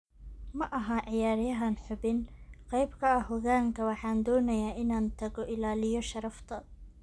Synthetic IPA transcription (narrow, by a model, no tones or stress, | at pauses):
mɐʔɐɦɐʕɪjaːɾjɐɦɐnħʊbɪnqɑjbkʰɐɐhɔɣaːŋkʰɐwɑħɑːnd̪ɔːnɐjaːʔɪnaːnt̪ʰɐɣɔʔɪlaːlɪjɔʃɐɾɐft̪ʰɐ